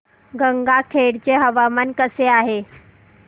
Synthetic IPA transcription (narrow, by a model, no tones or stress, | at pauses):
ɡəŋɡakʰeːɽt͡ɕeɦɐʋamənkəseaːɦeː